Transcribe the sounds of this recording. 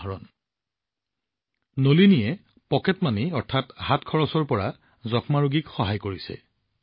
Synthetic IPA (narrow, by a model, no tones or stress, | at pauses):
ɹɔn | nolinijɛ | pɔkɛtmaniɔɹtʰathatkʰɔɹɔsɔɹpɔɹa | zɔkmaɹuɡikxɔɦajkoɹisɛ̰